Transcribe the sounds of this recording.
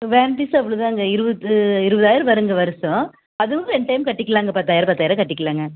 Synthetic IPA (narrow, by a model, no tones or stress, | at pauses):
ʋeːnʈisɐpːɐɭɯðãːŋɡɐɪɾɯbɐðɯɪɾɯbɐðaːjɪɾɯʋɐɾɯŋɡɐʋɐɾɐsɔ̃ | ɐðɯɐɛɳʈɐjmkɐʈːɪkːɐlaːŋɡɐpɐt̪ːaːjɪɾɐpɐt̪ːaːjɪɾɐkɐʈːɪkːɐɭaːŋɡɐ